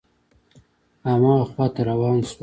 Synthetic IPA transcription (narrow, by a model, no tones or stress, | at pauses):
amɑxwɑt̪aɾawɑːns